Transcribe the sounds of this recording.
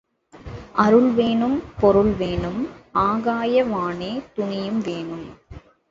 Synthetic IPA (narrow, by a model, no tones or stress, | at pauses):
ʔɐɾɯɭʋeːɳɯmpɔɾɯɭʋeːɳɯmʔaːɣaːjɐʋaːneːt̪ʊɳɪjɯmʋeːɳɯm